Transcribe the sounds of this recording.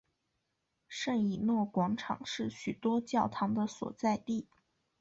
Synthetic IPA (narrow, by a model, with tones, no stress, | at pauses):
ʂə˥˩ŋi˨˩nwɔ˥˩kwɑ˧˥ŋʈ͡ʂʰɑ̰˨˩ŋʂɻ̩˥˩ɕy˨˩t̪wɔ˥t͡ɕjɑ˥˩ʊt̪ʰɑ˧˥ŋd̪ə˧swɔ̰˨˩t͡sa˥˧ɪt̪i˥˩